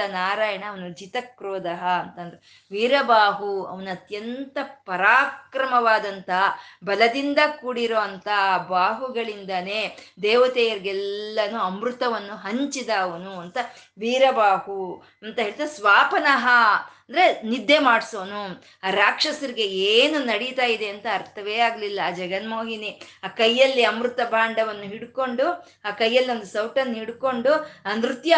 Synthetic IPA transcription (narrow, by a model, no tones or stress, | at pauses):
ɐnaːɾaːjɐɳɐːʋɐnud͡ʒit̪ɐkɾoːd̪ɐɦɐːnt̪ɐnd̪ɾe | ʋiːɾɐbaːɦuɐ̰ʋɐnuɐt̪jɐnt̪ɐpɐɾaːkɾɐmɐʋaːd̪ɐnt̪ɐbɐlɐd̪ind̪ɐkuːɽiɾoʋɐnt̪ɐbaːɦuɡɐɭind̪ɐneːd̪eːʋɐt̪ɛːjɐɾiɡɛlːɐnuɐmɾut̪ɐʋɐnːuɦɐɲt͡ʃid̪ɐːʋɐnuɐnt̪ɐ | ʋiːɾɐbaːhu | ɐnt̪ɐɦeːɭit̪asʋaːpɐnɐɦɐnd̪ɐɾenid̪ʱːemaːɽsoːnu | aːɾaːkʂɐsɐɾiɡe̞eːnunɐɽit̪aːjid̪eɐnt̪ɐːɾt̪ʰɐʋeːaːɡɐlilːɐaːd͡ʒɐɡɐnmo̞ːɦiniaːkɐjːɐlːiɐmɾut̪ɐbʱaːɳɖɐʋɐnːuɦiɽko̞ɳɖu | aːkɐjːɐlːio̞nd̪usɐwʈɐnːɦiɽko̞ɳɖuɐnɾut̪ja